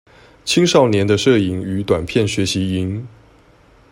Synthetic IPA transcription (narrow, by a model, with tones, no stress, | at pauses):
t͡ɕʰi˥ŋʂɑ˥˩ʊnjɛ˧˥nd̪ə˧ʂɤ˥˩i˨˩ŋy˧˥t̪wa˨˩npʰjɛ˥˩nɕɥɛ˧˥ɕi˧˥i˧˥ŋ